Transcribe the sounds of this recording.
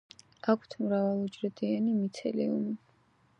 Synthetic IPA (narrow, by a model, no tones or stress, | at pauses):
akʷʰt̪ʰmɾavalˠud͡ʒɾɛd̪ianimit̪sʰɛ̰lḭumi